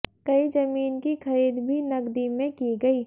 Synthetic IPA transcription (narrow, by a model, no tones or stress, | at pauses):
kɐizɐmiːnkixɐɾiːd̪bʱinɐɡd̪imẽkiɡɐiː